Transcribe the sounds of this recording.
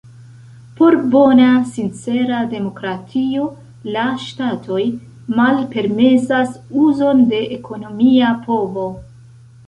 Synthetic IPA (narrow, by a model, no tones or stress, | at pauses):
po̞ɾbo̞nasint͡se̞ɾade̞mo̞kɾatʰio̞ | laʃtatʰo̞j | malpe̞ɾme̞sasuzo̞nde̞ʔːkʰo̞no̞miapʰo̞vo̞